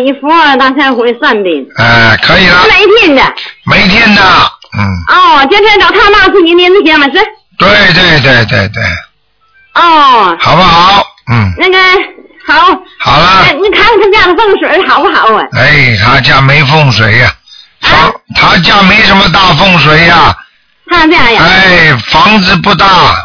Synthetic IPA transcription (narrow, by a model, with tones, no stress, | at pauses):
i˧˩fu˧˥ə˧˩t̪a˥˩sʰa˥˩˧xu˧˥˧swa˥˧npi˨˩nɛ˥˧kʰɤ˧˥i˨˩lə˦˥ma˧˩ɪi˥t̪ʰjɛ˥˩n˧˩d̪ə̰˧˩me˧˥ɪt̪ʰjɛ˥nd̪ə˨n̩˥˩ɔ˥˩t͡ɕjɛ˥nʈ͡ʂʰə˥ʈ͡ʂɑ˨˩ʊt̪ʰa˥ma˥˩˧sʰu˥˩i˧˥njɛ˧˥nt͡s̩˥˩ɕʰjɛ˧˥mɐ˨ʂ̬ɻ̩˥˩ | t̪we˥˩ɪt̪̬we˥˧ɪt̪̬we˥˧ɪt̪we˥˧ɪt̪we˥˩ɪ | ɔ˥˩xɑ˨˩ʊbə˦xɑ˨˩˦ʊm̩˥˩na˥˩ɡə˩xɑ˨˩˦ʊxɑ˨˩ʊlə˦˥˩kʰa˥sa˨˩t̪̩ʰ˥ja˥˩d̪ə˧fɤ˥˩ŋʂwe˨˩˥xɑ˨˩˦ʊpu˥˩xɑ˨˩˦ʊ˧˩e˥˩ɪt̪ʰa˥t͡ɕja˥˩me˧˥ɪfʊ˥˩ŋʂwe˨˧˥ɪɐ˨ | tʰa˥t̪ʰa˥t͡ɕja˥˩me˧˥ɪʂə˧˥nmə˧t̪a˥˧fɤ˥˩ŋʂ̬we˨˥ɪɐ˧ | t̪ʰa˥˩˧ʈ͡ʂɤ˥˧jɑ˥˩˨e˥˩ɪfɑ˧˥ŋd͡zɹ̩˧pu˥˧t̪a˥˩